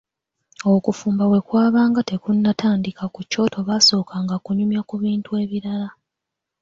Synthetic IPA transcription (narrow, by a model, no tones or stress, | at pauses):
o̞kufuːmbawe̞kwaːβaːŋɡate̞kunːatʰaːndikakuco̞ːtʰo̞βaso̞ːkaŋɡakuɲumjakuβiːntue̞ːβiɾala